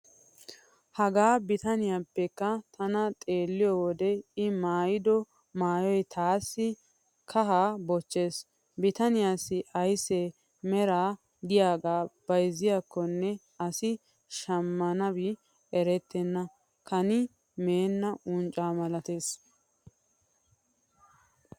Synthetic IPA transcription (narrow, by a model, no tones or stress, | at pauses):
hɐɡaːbɪt̪ɐnɪjapːɛkːɐt̪ɐnɐt̪ʼe̞ːlːɪjɔwɔd̪ɛɪmaːjɪd̪ɔ | maːjɔjt̪ʰaːsːɪ | kʰɐɦaːbɔt͡ʃːe̞ːs | bɪt̪ɐnɪjaːsɪʔɐjsɛ | mɛɾaː | d̪ɪjaːɡaːb̥ɐjzɪjakːɔnːɛ | ɐsɪ | ʃɐmːɐnɐbɪ | ɛɾɛt̪ːɛnːɐ | kʰɐnɪ | me̞ːnːɐʔʊnt͡ʃʼaːmɐlɐt̪e̞ːs